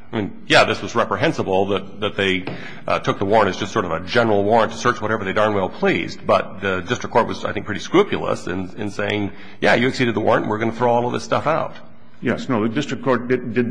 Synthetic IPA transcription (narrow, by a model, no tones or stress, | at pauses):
n | jæðɪswʌzɹɛpɹɨɦɛ̃nsəbl̩ˠðət̪̚ðɨt̪̚ðeɪ | tʰʊk̚ðəwɔɹə̃ntɨzd͡ʒʌstsɔɹɾʌvɨd͡ʒɛnə˞l̩ˠwɔɹə̃ntʰə̥sɜ˞t͡ʃwʌɾɛvə˞ðeɪdə̃˞nwɛlˠpʰl̥izbʌt̚ðɨdɪstɹ̥əkʰɔɹt̚wʌz̥a̰ɪθɪ̃ŋkpʰɹ̥ɪɾiskɹʉpjl̩ˠə̰sɨ̃nɨ̰̃nseɪɪ̃ŋ | jæ̰jɨɨksiɾɨd̪̚ðəwɔ̰ɹə̃nʔ̩wɨɹɡʌnəθɹoʊɔlˠʌvðɪstʌfaʊt̚ | jɛsnoʊðɨdɪstɹ̥ɨkʰɔɹt̚d̥ɨdɨd̚